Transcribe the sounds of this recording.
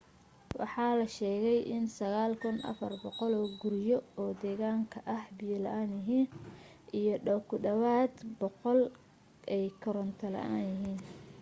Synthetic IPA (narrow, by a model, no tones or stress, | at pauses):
wɑ̰ħɑːlɐʃɛːɣɛjʔɪnsɐɣaːlkʰʊnʔɐ̰fɐrbɔqɔlɔːɡʊɾɪjɔɔːd̪ɛːɣaːŋkʰɐʔɐhbijlɐʔaːnjɪɦiːn | ʔijɔɖɔwkʰʊdɐwaːd̪bɔqɔl | ʔɛjkʰɔɾɔnt̪ʰɐlɐ̰ʔaːnjɪɦiːn